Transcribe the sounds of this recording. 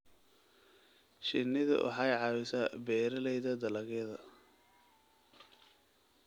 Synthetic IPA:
ʃɪnːɪðɐ̰wʔɑ̰ħɑjʕɑwɪsabɛːɾɐlɛjðɐd̪ɐlɐɣɛðɐ

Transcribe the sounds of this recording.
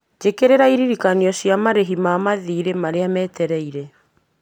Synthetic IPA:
d͡ʒekeɾeɾaiɾiɾikaniɔsiamaɾeɦimamaðiːɾemaɾeamɛːtɛɾɛiɾɛ

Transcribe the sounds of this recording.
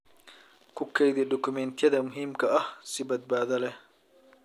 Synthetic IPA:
kʰʊkʰɛjðɪɖɔkʰʊmɛnt̪ʰɪjɐðɐmʊɦiːmkʰɐɐhsɪbɐd̪̚baːðɐlɛ

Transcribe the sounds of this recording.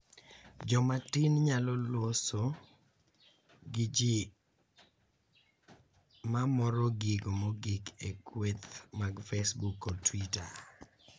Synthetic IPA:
d͡ʒɔmatinɲalɔlwoso | ɡid͡ʒi | mamɔɾɔɡiɡomɔɡikʰekwet̪maɡfesbukɔtwita

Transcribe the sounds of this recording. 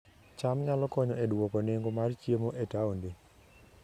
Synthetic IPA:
t͡ʃamɲalɔkɔɲɔedwokɔneŋɡomart͡ʃjemoʔetaonde

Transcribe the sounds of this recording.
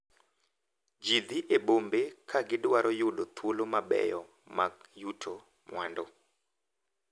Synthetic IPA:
d͡ʒid̪iʔebombekʰaɡɪdwaɾʔɔjʊlot̪ʰwolomabɛ̰jɔ | makjutʰo | mwa̰ndɔ

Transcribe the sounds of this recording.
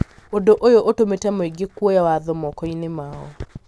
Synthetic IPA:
odoʔojoʔotometɛmoiɡekwɔjawaðɔmɔkɔinemaɔ

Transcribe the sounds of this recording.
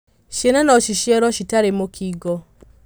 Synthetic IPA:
ʃenanɔʃiʃiɛɾɔʃitaɾemokʰiɡɔ

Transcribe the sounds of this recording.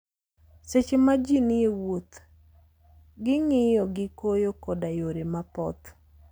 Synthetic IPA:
set͡ʃemad͡ʒinɪewot̪ | ɡɪŋɪjɔɡɪkojokɔdajoɾemapɔ̰t̪

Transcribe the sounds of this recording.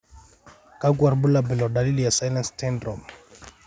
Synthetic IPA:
kʼakwarbulabɛlɔdalilijasajlanstɛndrɔm

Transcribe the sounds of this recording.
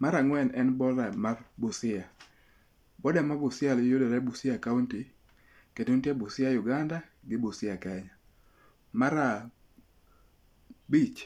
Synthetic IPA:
maɾaŋwɛnɛnbɔɾamarbʊsɪa | bɔdamabʊsɪaljodɛɾɛbusɪakaunti | keduntjebʊsɪajʊɡanda | ɡɪbusɪakɛɲa | maɾa | bit͡ʃ

